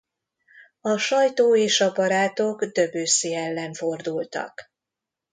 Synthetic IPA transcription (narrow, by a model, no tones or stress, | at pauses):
ɒʃɒjt̪oːeːʃɒbɒɾaːt̪o̞ɡd̪øbøːsiːɛlːɛɱfo̞rd̪ult̪ɒ̰k